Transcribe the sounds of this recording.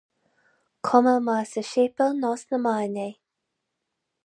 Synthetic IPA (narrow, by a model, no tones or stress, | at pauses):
kʰɔməmaːsəʃeːpəlnɔsnəmanej